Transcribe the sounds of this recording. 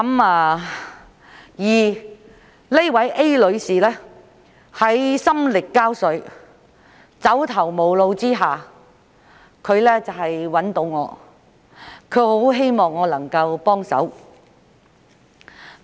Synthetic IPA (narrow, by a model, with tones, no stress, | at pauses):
ɐ˨˥maː˧ | jiː˨˩ | le˥wɐ˨˥jʔe˥jlɵ˨˧ɥsiː˨˩lɛː˥ | hɐ˨˥jsɐ˥mlɪ˨kːaː˥wsɵ˨˧ɥ | t͡sɐ˨˥wt̪ʰɐ˨˩wmo˨˧wlo˧wt͡siː˥ɦaː˨ | kʰɵ˨˧ɥlɛː˥t͡sɐ˨whɐ˨jwɐ˨˥nt̪o˨˧wŋɔː˨˧ | kʰɵ˨˧ɥho˨˥wɦe˥jmɔː˨ŋːɔː˨˧lɐ˨˩ŋkɐ˧wpɔː˥ŋsɐ̰˨˥w